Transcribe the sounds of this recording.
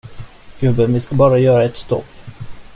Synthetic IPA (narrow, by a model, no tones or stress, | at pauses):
ɡ̥ɵbːənvɪskabɑːɾajœːɾaɛt̪st̪ɔ̰kː